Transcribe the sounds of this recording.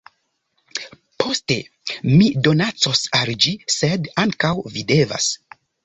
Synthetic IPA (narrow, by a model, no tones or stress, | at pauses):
pʰo̞ste̞ | mido̞nat͡so̞sald͡ʒise̞daŋkawvide̞va̰s